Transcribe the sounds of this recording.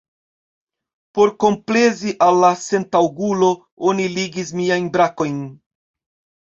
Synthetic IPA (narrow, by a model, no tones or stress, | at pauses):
po̞ɾko̞mple̞ziʔalːase̞ntawɡulo̞ | oniliɡis̬miajnbɾako̞jn